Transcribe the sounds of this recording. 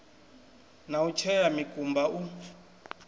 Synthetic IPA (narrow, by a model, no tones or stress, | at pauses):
naut͡ʃʰɛjamikʼumbau